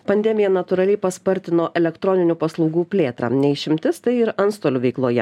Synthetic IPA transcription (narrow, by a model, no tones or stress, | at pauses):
pɐnʲd̪ʲɛmʲɪjɛnɐt̪ʊɾɐlʲɛɪpɐspɐɾʲt̪ʲɪnoːʔɛlʲɛkt̪ɾɔnʲɪnʲupɐslˠɒʊɡuːpʲlʲeːt̪ɾɑ̰ːnʲɛɪʃʲɪmʲt̪ʲɪst̪ɐɪɪɾɐntst̪oːlʲʊʋʲɛɪklˠoːjɛ̰